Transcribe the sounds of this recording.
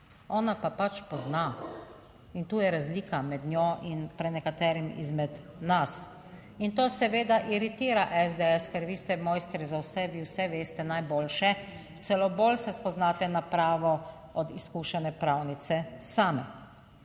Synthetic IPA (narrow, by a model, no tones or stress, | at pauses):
ɔːnapapat͡ʃpɔzna | int̪uːjɛɾazliːkamɛd̪nʲjoʔinpɾɛnɛkat̪ɛːɾimḭzmɛd̪ | nas | int̪oːsɛʋeːd̪aʔiɾit̪iːɾaʔɛzd̪eɛskɛɾʋiːst̪ɛmɔːjst̪ɾizawsɛʋiːwsɛʋeːst̪ɛnajboːlʃɛ | t̪sɛloboːlsɛspɔznaːt̪ɛnapɾaːʋɔ | ɔd̪iskuːʃɛnɛpɾawnit̪sɛsaːmɛ